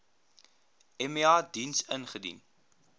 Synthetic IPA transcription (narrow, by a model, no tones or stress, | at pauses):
ɛmeɑːdinsənχədḭn